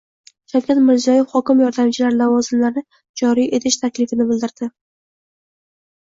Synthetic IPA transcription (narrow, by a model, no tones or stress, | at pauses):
ʃawkʲat̪mɪɾzijɒjefhɒkʲɪmjɒɾd̪amt͡ʃʰɪlaɾlavɒzɪmlaɾnɪ | d͡ʒɒɾijʔe̞t̪ʰɪʃt̪ʰakʲlɪfɪnɪbɪld̪ɪɾd̪̥ɪ